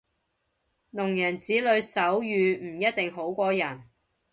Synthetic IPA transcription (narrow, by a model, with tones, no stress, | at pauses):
nʊ˨˩ŋjɐ˨˩nt͡siː˨˥lɵ˨˧ɥsɐ˨˥wjyː˨˧m̩˨˩jɐ˥t̚t̪ɪ˨ŋɦo˨˥wkʷɔː˧jɐ˨˩n